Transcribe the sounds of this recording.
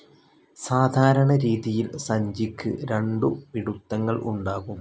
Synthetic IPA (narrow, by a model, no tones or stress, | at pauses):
saːd̪ʱaːɾɐɳɐɾiːðijilsɐɲd͡ʑikʲːɨ̰ɾeɳɖupiɽut̪ːɐŋːɐɭʔṵɳɖaːɣum